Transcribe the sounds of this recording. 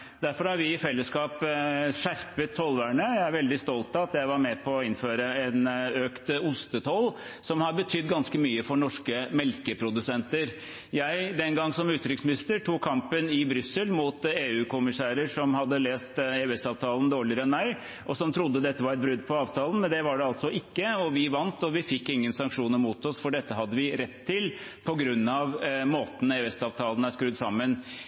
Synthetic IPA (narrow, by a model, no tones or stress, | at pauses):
d̪æɾfɔɾhɑɾʋɪɪfɛlːəskɑːpʂæɾpət̪ʰːɔlʋæːɳəjæɪæɾʋɛld̪ɪst̪ɔlt̪ɑɑt̪jæɪʋɑɾmɛpʰɔːɪnføːɾəɛnøːkt̪ʊst̪ət̪ʰɔl | sɔmhɑɾbət̪ʰʏd̪ːɡɑnskəmyːəfɔɳɔʂkəmɛlkəpʰɾʊd̪ʉsɛnt̪əɾ | jæɪd̪ɛnɡɑŋːsɔmʉːt̪ɾɪksmɪnɪst̪əʈʰuːkʰːɑmpənɪbɾʏsːəlmuːt̪eːʉːkʊmɪsæːɾəʂɔmhɑd̪ːəleːst̪eːɛsɑːʋt̪ʰɑːlənd̪oːɭɪəɾəɛnmæɪ | ʔɔsɔmt̪ʰɾʊd̪ːəd̪ɛt̪ːəʋɑɾɛt̪̚bɾʉd̪ːpʰɔɑːʋt̪ʰɑːlən̩mɛnd̪ɛʋɑɖɛɑlt̪sɔʔɪkːəɔʋɪʋɑnt̪ɔʋɪfɪkːɪŋːənsɑŋkʂuːnəɾmuːt̪ɔsfɔɖɛt̪ːəɦɑd̪ːəʋɪɾɛt̪ʰːɪlpʰɔɡɾʉnːɑʋmoːt̪n̩eːʉɛstɑːʋt̪ʰɑːln̩æʂkɾʉd̪sɑmːən